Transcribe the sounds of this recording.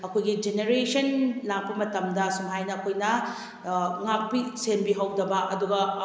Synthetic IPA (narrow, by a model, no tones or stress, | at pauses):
ɐkʰojɡid͡ʒeneɾesɐnlak̚pɐmɐtɐmdɐsumɦajnɐːkʰojnɐ | ŋak̚pisembiɦɐwdɐbɐʔɐduɡɐ